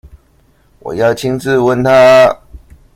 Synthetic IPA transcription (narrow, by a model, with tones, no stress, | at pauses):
wɔ̰˨˩jɑ˥˨ʊt͡ɕʰi˦ŋt͡sɹ̩˥˧wə˥˨nt̪ʰa˦